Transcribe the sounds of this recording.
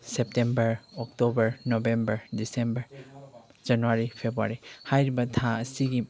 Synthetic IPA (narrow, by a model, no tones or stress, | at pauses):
sep̚tembɐɾɔk̚tɔbɐɾnɔbembɐɾdisembɐɾ | d͡ʒɐnuaɾipʰebɾua̰ɾihajɾibɐtʰãɐsiɡi